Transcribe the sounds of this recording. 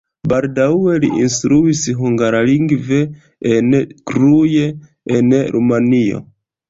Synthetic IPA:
baldaue̞lḭʔinstɾuisɦuŋɡaɾaliŋɡve̞ | enkɾuje | enɾʔumanio̰

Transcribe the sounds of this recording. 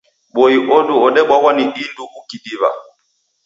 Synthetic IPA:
ɓɔiʔɔduɔɗɛɓwawaniʔinduɡukidiβa̰

